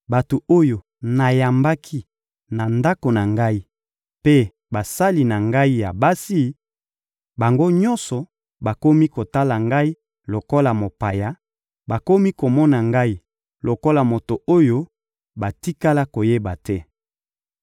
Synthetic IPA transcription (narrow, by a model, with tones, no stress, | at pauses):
ba˨to˨o˦jo˨ | na˨ja˨mba˦kʰi˦ | na˨nda˦ko˨na˨ŋɡa˦i˦ | pe˦ | ba˨sa˦li˨na˨ŋɡa˦i˦ja˨ba˦si˦ | ba˨ŋɡo˦ɲɔ̃˦nsɔ˨ | ba˨ko˦mi˦ko˨ta˦la˨ŋɡa˦i˦ | lo˨ko˦la˨mo˨pa˨ja˦ | ba˨ko˦mi˦ko˨mɔ˦na˨ŋɡa˦i˦ | lo˨ko˦la˨mo˨to˨o˦jo˦ | ba˨ti˦ka˦la˦ko˨je˦ba˨tɛ˦